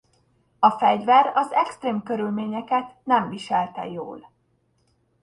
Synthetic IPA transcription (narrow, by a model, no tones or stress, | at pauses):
ɒfɛɟvɛɾɒzɛkst̪reːmkøɾylmeːɲɛkɛt̪nɛɱviʃɛlt̪ɛ̰jo̰ːl